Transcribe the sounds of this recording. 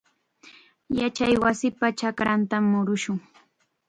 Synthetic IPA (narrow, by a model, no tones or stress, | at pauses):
jat͡ʃajwasɪpat͡ʃakɾant̪amːʊɾʊʃʊŋ